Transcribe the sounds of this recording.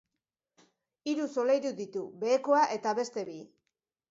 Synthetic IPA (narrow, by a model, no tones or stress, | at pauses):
iɾuso̞lejɾuðit̪ube̞ːkoaʔe̞t̪aβe̞st̪e̞βi